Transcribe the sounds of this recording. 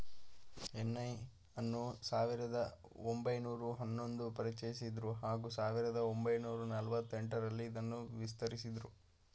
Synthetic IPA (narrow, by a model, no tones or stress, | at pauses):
enːɐj | ɐnːusaːʋiɾɐd̪ɐ | ombɐjnuːɾuɦɐnːo̞nd̪upɐɾit͡ʃɐjisid̪ɾuɦaːɡuːsaːʋiɾɐd̪ɐombɐjnuːɾunɐlʋɐt̪ːeɳʈɐɾɐlːiːd̪ɐnːuʋist̪ɐɾisid̪ɾu